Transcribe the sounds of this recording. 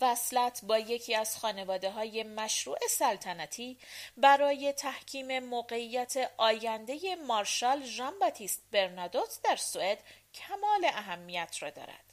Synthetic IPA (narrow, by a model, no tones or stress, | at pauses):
væslæt̪ʰbɒːje̞cʰiːæz̥xɒːne̞vɒːd̪e̞ɦɒːje̞mæʃɾuːʔe̞sælt̪ʰænæt̪ʰiːbæɾɒːje̞t̪ʰæhcʰiːme̞moːɢe̞ʔijːæt̪ʰe̞ʔɒːjænd̪e̞je̞mɒːɾʃɑːlʒɒmbɒt̪ʰist̪̚be̞ɾnɒd̪ot̪ʰd̪æɾsue̞d̪̥cʰæmɒːle̞ʔæɦæmːijæt̪ʰrɒ̰ːd̪ɒ̰ːɾæ̰d̪̥